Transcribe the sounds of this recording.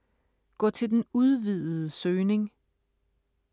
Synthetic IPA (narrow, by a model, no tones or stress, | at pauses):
ɡ̥ɒ̰t͡sʰe̝ld̥enuð̞ˠʋið̰ˠð̩ˠəsøːne̝ŋ